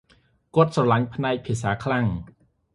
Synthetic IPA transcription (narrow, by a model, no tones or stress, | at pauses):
kŏət̪̚srɑlaɲpʰnaɛk̚pʰiəs̬aːkʰlaŋ